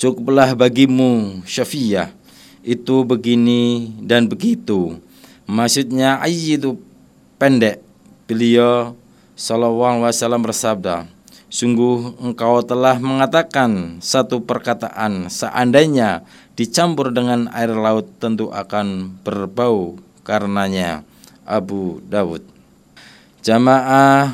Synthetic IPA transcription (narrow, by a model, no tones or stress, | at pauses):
t͡ʃukʊp̚lahbaɡimuʃafiah | it̪ubəɡinidanbəɡit̪u | maksut̪̚ɲaʔa̰jit̪u | pɛndɛʔ | b̥əliɔ | salawawasalambərsab̚da̰ | suŋɡʊhəŋkawt̪əlahməŋat̪akansat̪upərkat̪a̰ʔansəʔandaɲa | d̥it͡ʃampʊrdəŋana̰ɪrlaʊt̪ːənt̪uʔa̰kanb̥ərbau | kaɾənaɲa̰ | ʔabudawʊ̰t̪̚ | d͡ʒamaʔa